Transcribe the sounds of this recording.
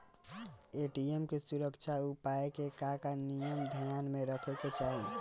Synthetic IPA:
eʈiemkesuɾəkt͡ʃʰaupaekekakanijəmd̪ʱəjanmeɾəkʰɛket͡ʃaɦi

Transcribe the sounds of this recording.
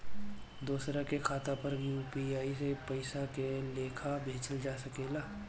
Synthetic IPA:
d̪uːsɾakekʰaːt̪apəɾjuːpiaːisepɐɪsakeleːkʰabʱeːt͡ʃəld͡ʒaːsɐkeːlaː

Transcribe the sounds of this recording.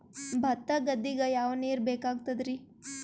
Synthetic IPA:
bʱɐt̪ːɐɡɐd̪ːiɡɐjaːʋniːɾbeːkaːɡ̚t̪ɐd̪ɾi

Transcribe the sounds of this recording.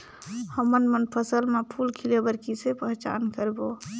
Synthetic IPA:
həmənmənpʰəsəlmepʰuːlkʰɪlebəɾkisepɛɦt͡ʃa̰ːnkəɾbo

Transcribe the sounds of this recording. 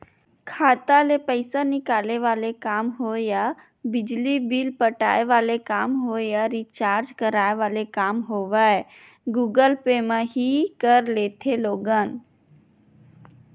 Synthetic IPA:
kʰaːt̪alepəɪsanɪkaːleʋaːlekaːmɦoja | bɪd͡ʒlibiːlpəʈa̰ːeʋaːlekaːmɦojaɾit͡ʃaːɾd͡ʒkəɾaːeʋaːlekaːmɦoːʋae | ɡuːɡəlpemãɦikəɾleːt̪ʰeloːɡaːn

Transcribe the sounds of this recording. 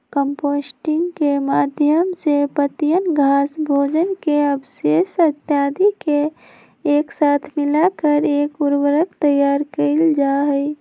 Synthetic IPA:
kəmpoːsʈɪŋɡkemaːd̪ʱjəmsepət̪ijənɡʱaːsbʱoːd͡ʒənkeəbseːsət̪jaːd̪ikeː | ksaːt̪ʰmɪlakəɾeːkuɾwəɾəkt̪əjaːɾkəɪld͡ʒaːɦəɪ

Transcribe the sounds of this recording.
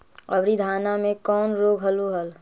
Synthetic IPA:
ɐbɾid̪ʱaːnamẽkɔːnɾoːɡɦɐluɦəl

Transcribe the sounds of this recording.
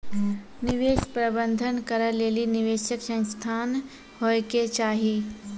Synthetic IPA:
nɪʋeːʃpɾəbə̃nd̪ʱənkəɾəleːlinɪʋeːʃəksə̃st̪ʰaːn | hoːeket͡ʃaːɦiː

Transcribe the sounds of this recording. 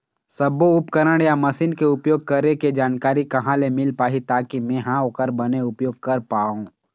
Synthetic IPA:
sɐboʊpkəɾəɽ̃jamɐsiːnkeʊpjoːɡ̚kɐɾeked͡ʒaːnkaːɾikɐɦãlemɪlpaːɦit̪aːkimɛ̃ːɦãokəɾbɐneʊpjoːɡ̚kɐɾpaːũ

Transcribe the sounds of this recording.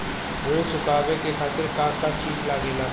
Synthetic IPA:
ɾoːt͡ʃʰʊkaːʋekekʰaːt̪əɾkaːkat͡ʃiːfʰlaːɡelaː

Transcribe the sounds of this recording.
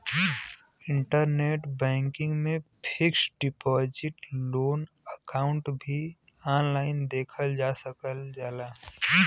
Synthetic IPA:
ɪ̃ɳʈəɾneːʈbɛ̃ːŋkɪ̃ŋɡmẽpʰɪksɖɪpɔːd͡ʒɪʈloːn | əkaːʊ̃ɳʈbʱi | aːnlaːɪnd̪eːkʰəld͡ʒaːsəkəld͡ʒaːlaː

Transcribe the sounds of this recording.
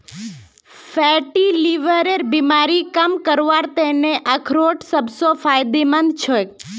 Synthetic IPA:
fɛʈiliʋəɾeɾbimaɾikamkəɾʋaɾt̪eneʔakʰɾoʈsəbsofʰajd̪emənd̪t͡ʃʰo

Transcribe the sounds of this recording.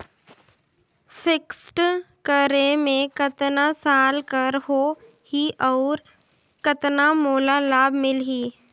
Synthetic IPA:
fʰɪksʈ | kəɾemẽkət̪nasaːlkəɾɦoː | hiʔɔːɾ | kət̪namoːlalaːbmɪlɦiː

